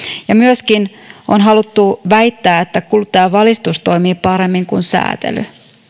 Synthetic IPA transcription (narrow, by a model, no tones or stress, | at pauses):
jɑmyøskinonɦɑlut̪ːuʋæit̪ːæːet̪ːækult̪æːʋɑlist̪ust̪o̞imiːpɑɾemːiŋkunsæ̰ːt̪ḛly̰